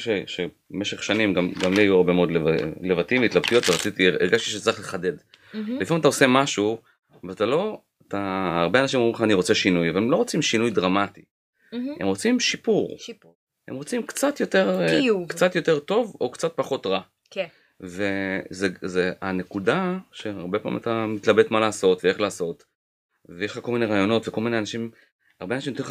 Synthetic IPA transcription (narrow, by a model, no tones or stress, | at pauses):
ʃeʃe | meʃeχʃanimɡamɡamliajuaʁbe̞meo̞d̪levlevat̪iveit̪labt̪ujo̞t̪veʁat͡sit̪ieʁɡaʃt̪i̥ʃet͡saʁiχle̞χade̞d | lifʁimat̪̬aose̞maʃu | veat̪alo̞ | at̪aːʁbeanaʃimomileχaːniʁo̞t͡se̞ʃinujavalemlo̞ʁot͡simʃinujdʁamati | emʁo̞t͡simʃipuʁ | emʁot͡simkt͡sat̪jo̞t̪e̞ʁkt͡sat̪jo̞teʁt̪o̞vo̞kt͡sat̪̚paχo̞t̪ʁa | k | ve̞zezeanekudaʃe̞aʁbe̞pa̰ːḭmat̪amit̪labe̞t̪malaːso̞tveeχlaːso̞t̪ | veeʃχakomineʁaːjo̞no̞tvekolmine̞anaʃim | aʁbeanaʃimtoli